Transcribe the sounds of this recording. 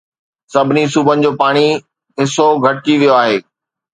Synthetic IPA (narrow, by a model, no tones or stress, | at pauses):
sɐbʱɪnis̬ubʱənɪ̆d͡ʑoːpaːɽ̃i | ɦɪsoɡʱɐʈ̚t͡ɕiʋijoaːɦeː